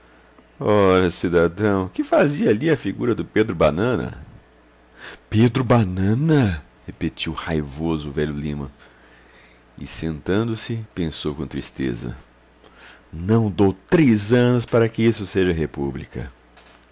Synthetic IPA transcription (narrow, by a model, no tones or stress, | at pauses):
ɔʎɐsid̪ad̪ɐ̃w̃kɪfaziɐaliɐfiɡuɾɐd̪ʊped̪ɾʊbanɐ̃nɐ̰ | ped̪ɾʊbanɐ̃nɐ | hepet͡ʃiwhajvozʊvɛʎʊlĩmɐ | ɪ̰sẽnt̪ɐ̃nd̪ʊsɪpẽsowkõt̪ɾist̪ḛzɐ̰ | nɐ̃w̃d̪owt̪ɾezɐ̃nʊspaɾɐkɪisʊseʒɐɦepublikɐ̰